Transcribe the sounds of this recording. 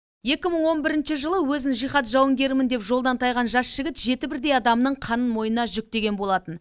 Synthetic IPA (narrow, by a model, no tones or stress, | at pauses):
je̞kʲɪməɴwo̞nbɪɾɪnʃɪʒəlˠəwɵzɪnʒijχɑt̪ʒɑwəŋɡʲe̞ɾmɪnd̪e̞pʒo̞lˠd̪ɑnt̪ʰɑjʁɑnʒɑsʒ̥ɪɡʲɪt̪ʒe̞t̪ɪbɪɾd̪e̞jɑd̪ɑmnəɴqʰɑnənmo̞jənɑʒʏk̚t̪e̞ɡʲe̞nbolˠɑt̪ən